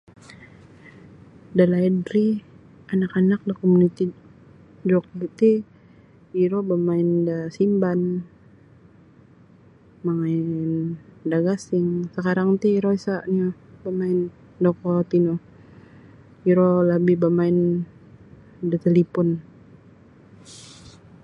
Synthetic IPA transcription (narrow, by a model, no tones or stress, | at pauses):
dalaidɾi | anakanak̚lahkomunit̪i | d͡ʒok̚t̪i | iɾɔbamaɪndasimban | maŋaɪndaɡasɪŋsəkaɾaŋt̪iiɾoisaʔɲo | bamaɪn | dokɔt̪inɔ | iɾɔlabibamaɪn | dat̪elipɔn